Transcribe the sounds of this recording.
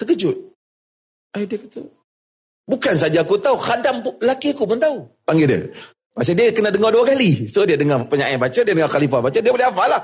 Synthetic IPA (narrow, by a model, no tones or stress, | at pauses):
t̪əkəd͡ʒʊt̪̚ | adiakət̪u | bukans̬ad͡ʒaːkut̪auxadamlakiakumənt̪aupaŋɡidə̰ | pas̬adiakənadəŋɔduakalisodiadəŋapəɲaʔabat͡ʃədiadəŋaxalifabat͡ʃədiabolɪafalah